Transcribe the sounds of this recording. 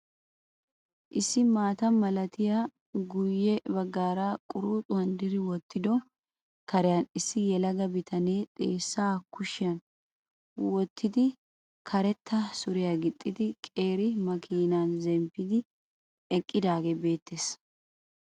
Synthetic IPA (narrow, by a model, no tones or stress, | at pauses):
ʔɪsːɪmaːt̪ɐmɐlɐt̪ɪja | ɡʊjːɛbɐɡːaːɾakʼʊɾuːt̪ʼʊɐnd̪ɪɾɪwɔt̪ːɪd̪ɔ | kɐɾɛjɐnɪsːɪjɛlɐɡɐbɪt̪ʰɐneːt̪ʼeːsːaːkʊʃɪjɐn | wɔt̪ːɪd̪ɪ | kʰɐɾɛt̪ʰːɐsʊɾɪjaɡɪt̪ʼːɪd̪ɪkʼe̞ːɾɪmɐkʰiːnaːnzɛmpːɪd̪ɪ | ɛkʼːɪd̪aːɡebe̞ːt̪ʰːeːs